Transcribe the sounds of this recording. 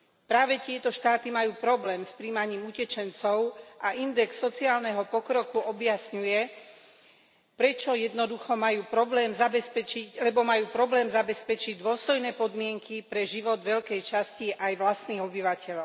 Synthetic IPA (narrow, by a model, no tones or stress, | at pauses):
pɾaːʋɛt̪ɪɛt̪ɔʃt̪aːt̪imajuːpɾɔblɛːmspɾiːmaɲiːmucɛt͡ʃɛnt͡sɔʊʔaʔind̪ɛksːɔt͡siaːlnɛɦɔpɔkɾɔkuɔbjasɲujɛ | pɾɛt͡ʃɔjɛd̪nɔd̪uxɔmajuːpɾɔblɛːmzabɛspɛt͡ʃilɛbɔmajuːpɾɔblɛːmzabɛspɛt͡ʃiɟd̪ʊɔst̪ɔjnɛːpɔd̪mɪɛŋkipɾɛʒiʋɔd̪ʋɛʎkɛjt͡ʃasciʔajʋlast̪niːɣɔbiʋacɛʎɔʊ